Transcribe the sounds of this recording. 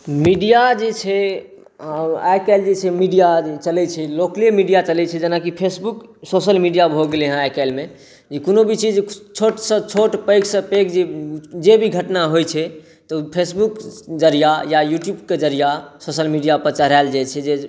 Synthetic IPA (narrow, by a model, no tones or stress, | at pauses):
miɖijad͡ʒet͡ʃʰɛ | ajkald͡ʒet͡ʃʰɛmiɖijat͡ʃəlɛt͡ʃʰɛlokliemiɖijat͡ʃəlɛt͡ʃʰɛd͡ʒənakipʰesbuksosəlmiɖijabʱoɡeleɦə̃ajkalme | d͡ʒekonobʱit͡ʃid͡ʒt͡ʃʰoʈsə̃t͡ʃʰoʈpəɪksə̃pekd͡ʒed͡ʒebʱiɡʱəʈnaɦojt͡ʃʰɛ | t̪ɔpʰesbukd͡ʒəɾijajajuʈjubked͡ʒəɾijasosəlmiɖijapəɾt͡ʃəɾald͡ʒɛt͡ʃʰɛd͡ʒe